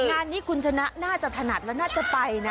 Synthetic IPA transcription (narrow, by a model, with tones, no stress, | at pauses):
ŋaː˧nːiː˦˥kʰu˧nt͡ɕʰa˧na˦˥ʔnaː˥˩t͡ɕa˨˩t̪ʰa˧na˨˩t̪̚lɛ˦˥naː˥˩t͡ɕa˨˩pa˧jna˦˥